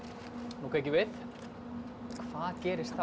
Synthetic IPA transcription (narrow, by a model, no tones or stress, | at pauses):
nukʰaːjcɪvɪθ | kʰv̥aːðcɛːɾɪst̪θa